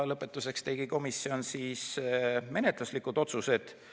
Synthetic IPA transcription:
lɤpːˑe̞t̪ːˑuse̞kst̪e̞ɡ̥iko̞misːio̞nsiːsme̞net̪ˑluslikːud̪̥o̞t̪suse̞d̪̥

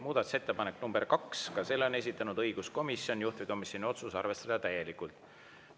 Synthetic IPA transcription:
muːd̪̥ɑt̪use̞t̪ːe̞pɑneknumbe̞rkɑkskɑse̞lːone̞s̬ʲit̪ːˑɑnud̪ɤiɡ̥usko̞misːjo̞nʲjuht̪viko̞misjo̞nio̞t̪susɑ̰rve̞st̪ɑd̪ɑt̪æje̞likult̪

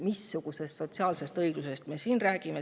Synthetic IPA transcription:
misːuɡ̥use̞st̪so̞t̪siɑːlse̞st̪ɤjɡ̥luse̞st̪me̞siːnræːɡ̥ime

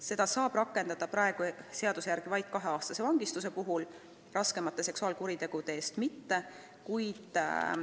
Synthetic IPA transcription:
se̞d̪̥ɑsɑːb̥rɑkːˑe̞nd̪̥ɑd̪̥ɑpɾɑe̞ɡ̥use̞ɑd̪̥usejæɾɡ̥ivɑjd̪̥̚kɑɦe̞ɑːst̪ɑse̞vɑŋɡist̪use̞puɦul | rɑske̞mɑt̪ˑːe̞se̞ksuɑːlkuɾit̪e̞ɡ̥ud̪̥e̞eːst̪mit̪ːe̞ | kujd̪̥

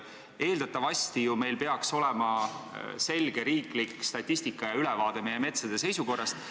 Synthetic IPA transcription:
e̞ːld̪ɑt̪ːˑɑvɑsʲt̪ijume̞jlpe̞ɑkso̞le̞mɑse̞lʲɡ̥e̞ɾiːklikːst̪ɑt̪ʲːist̪ikːˑɑjɑylevɑːd̪̥e̞me̞jːe̞me̞t̪sɑd̪̥e̞se̞jsuko̞rːɑst̪

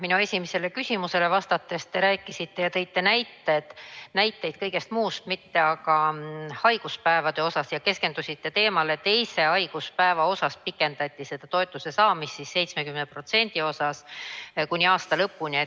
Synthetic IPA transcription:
minue̞sʲimese̞lekysʲimuse̞le̞vɑst̪ɑt̪ːˑe̞st̪e̞ɾæːkːˑisit̪ːe̞jɑt̪e̞jt̪ːe̞næjt̪ːed̪̥næjt̪ːˑe̞jd̪̥̚kɤ̞jɡ̥e̞st̪muːst̪mit̪ːe̞ɑɡɑhɑjɡ̥uspæevɑd̪̥e̞o̞sɑsjɑke̞ske̞nd̪̥usʲit̪ːe̞t̪e̞ːmɑle̞t̪e̞jse̞ɑjɡ̥uspæevɑo̞sɑspikːˑe̞nd̪ɑt̪ʲˑːise̞d̪̥ɑt̪o̞et̪ːˑuse̞sɑːmist̪ːisse̞jt̪sme̞kymnepro̞t̪se̞nʲd̪̥io̞sɑskunʲːiɑːst̪ɑlɤpːunʲie

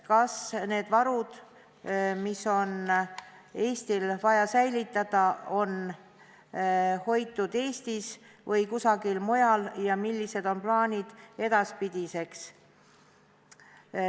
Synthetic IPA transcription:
kɑsne̞ːd̪vɑɾud̪̥ | miso̞n | e̞ːst̪ilvɑjɑsæjlit̪ːˑɑd̪̥ɑo̞n | ho̞jt̪ːˑud̪̥e̞ːst̪is | vɤjkusɑɡilmo̞jɑljɑmilːise̞d̪̥o̞nplɑːnʲid̪̥e̞d̪̥ɑspid̪̥ise̞ks

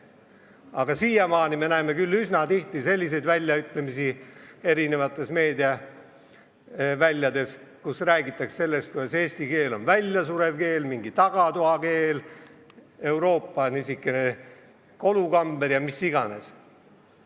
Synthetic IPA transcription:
ɑɡ̥ɑsiːjɑmɑːnime̞næːme̞kylːysnɑt̪iht̪ise̞lʲːise̞jd̪vælʲjɑyt̪ˑle̞misie̞ɾine̞vɑt̪ːˑe̞sme̞ːd̪iɑ | vælʲjɑd̪e̞skusræːɡit̪ːˑɑksse̞lːe̞st̪̚kujd̪ɑse̞ːsʲt̪ike̞ːlo̞nvælʲjɑsuɾe̞vke̞ːlmiŋɡ̥it̪ɑɡ̥ɑt̪oɑke̞ːl | e̞wɾo̞ːpːˑɑnisikːˑene | ko̞lukɑmb̥eɾjɑmisːiɡɑne̞s

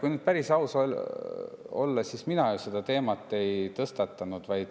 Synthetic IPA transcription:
kujnyd̪̥̚pæɾisɑusol | o̞̰lːɑsisminɑjused̪̥ɑt̪e̞ːmɑt̪ːˑe̞jt̪ɤst̪ɑt̪ˑːɑnud̪̥vɑjd̪̥

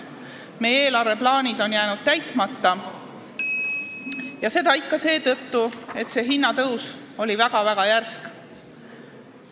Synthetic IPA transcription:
me̞jeːlɑɾve̞plɑːnʲid̪̥o̞njæːnud̪̥̚t̪æjt̪mɑt̪ːɑ | jɑse̞d̪̥ɑikːɑse̞ːt̪ɤt̪ːue̞t̪se̞ɦinːɑt̪ɤws | o̞lʲivæɡ̥ɑvæɡ̥ɑjærsk

